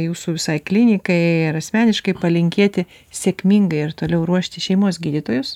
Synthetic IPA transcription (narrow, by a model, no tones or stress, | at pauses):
juːsuʋʲɪsɐɪklʲɪnʲɪkɐɪɪɾɐsʲmʲæːnʲɪʃkɐɪpɐlʲɪŋʲkʲeːt̪ʲɪ | sʲeːkmʲiːŋɡɐɪɪɾt̪oːlʲɛʊɾuɔʃʲt̪ʲɪʃʲɛɪmoːsɡʲiːd̪ʲit̪oːjʊs